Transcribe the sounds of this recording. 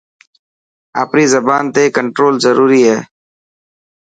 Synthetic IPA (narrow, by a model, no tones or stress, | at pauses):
a̰ːpɾiːzəbaːnt̪eːkəɳʈɾoːlzəɾuːɾiːɦɛː